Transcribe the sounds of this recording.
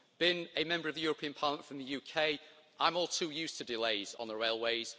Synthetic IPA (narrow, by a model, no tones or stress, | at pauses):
b̥ɪ̃nəmɛ̃mbəɹəvðəjɔːɹəpʰĩə̃npʰɑːˑləmə̃nfɹə̃mðəjʉːkʰeɪʔãɪ̃mɔːlˠtʰʉːjʉˑstʰədɪleɪz̃n̩ðəɹeɪlˠweɪz̥